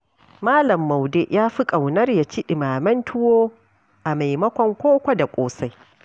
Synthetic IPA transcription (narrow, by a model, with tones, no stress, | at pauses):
maː˦lɐ˨mːa˨wde˦ʔjʔaː˦ɸi˦kʼɐ˨wnɐ˦rja˨t͡ʃi˦ɗɪ˨maː˨mɐ˦ntʰʊ˦woː˦ | ʔa˨ma˨jmɐ˦kʷɔ˦ŋkʷoː˦kʷa˦da˨kʷʼoː˦sa˦j